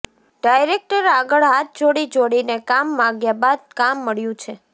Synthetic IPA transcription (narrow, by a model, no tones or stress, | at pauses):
ɖajɾek̚ʈəɾaɡəɭɦat̪̚ʰd͡ʒoɽid͡ʒoɽinekamːãɡjabad̪̚kamːəɭjũt͡ʃʰe